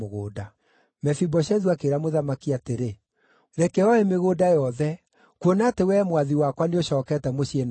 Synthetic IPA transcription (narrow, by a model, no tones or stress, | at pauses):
oɣoːda | mɛfibɔɕɛðwakeɾamoðamakiateɾe | ɾɛkɛɔemeɣoːdajɔðɛ | kuonatewɛmwaðiwakwaneoɕɔːkɛtɛmoɕien